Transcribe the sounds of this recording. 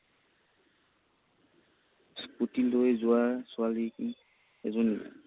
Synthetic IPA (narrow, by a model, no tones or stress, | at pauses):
sputildojzʊwasʊalik | ɛ̰zɔni